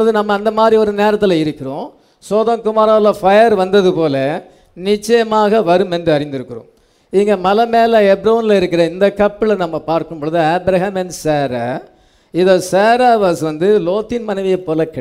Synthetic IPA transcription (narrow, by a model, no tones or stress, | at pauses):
ɐðɯnɐmːɐːnd̪ɐmaːd̪ɾiɔɾɯneːɾɐt̪ːɪlɐɪɾɯkːɪɾõː | soːðɐŋkʊmaːɾaːlɐfɐjɐɾʋɐnd̪ɐðɯpoːlɐ | nɪt͡ʃːɐjɐmaːɣɐʋɐɾɯmɛndrɯɐɾɪnd̪ɪɾɯkːɯɾõ̰ | iːŋɡɐmɐlɐmeːlɐɛbɾɐnɪlɐɪɾɯkːɪɾɐɪnd̪ɐkːɐpːɪlɐnɐmːɐpaːɾkɯmpoːɭɯðɯɐːbɾɐɦɐmɛnseːɾa̰ː | ɪðoːseːɾaːʋaːsʋɐnd̪ɯloːt̪ːɪnmɐnɐɪʋɪjɐpːoːlɐkːɪ